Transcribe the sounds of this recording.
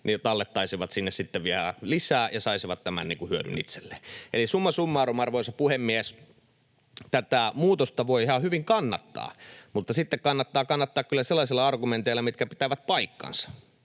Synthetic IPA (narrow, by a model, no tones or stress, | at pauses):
nit̪ɑlːet̪ːɑisiʋɑt̪sinːessit̪ːeʋʋiæhæ̰lisæːjɑsɑisiʋɑt̪t̪æmæ̰nnḭːŋkuhyøny̰nḭt̪se̥lːeːʔelisumːɑsumːɑrumɑrʋoˑsɑpuhemːiæs | t̪æt̪æˑmuːt̪ost̪ɑʋoihɑhyʋiŋkɑnːɑt̪ːɑ̰ːmut̪ːɑsit̪ːekkɑnːɑt̪ːɑːkɑnːɑt̪ːɑːkkylːæselːɑˑsilːɑɑrɡument̪eilːɑmit̪kæpit̪æʋæt̪̚pɑikːɑ̰nsɑ̥